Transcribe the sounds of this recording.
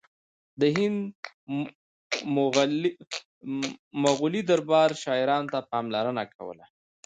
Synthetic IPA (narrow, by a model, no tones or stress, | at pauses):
d̪əɦɪnd̪ | m | maɣulid̪aɾbɑɾʃɑɪɾɑnot̪apɑmlaɾənakʰa̰wə̰la